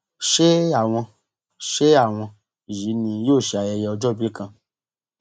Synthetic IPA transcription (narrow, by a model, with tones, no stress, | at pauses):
ʃe˦a˨w̃ɔ̃˧ | ʃe˦a˦˨w̃ɔ̃˧˨ | ʒi˨˦nĩ˧joː˦˨ʃi˨a˨jɛ˧jɛ˧ɔ˧d͡ʒɔ˦bi˦e˦kã˧